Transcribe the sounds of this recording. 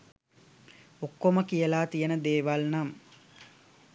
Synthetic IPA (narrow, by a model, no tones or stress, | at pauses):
okːoməkijəlaːt̪ijənəd̪eːʋalnam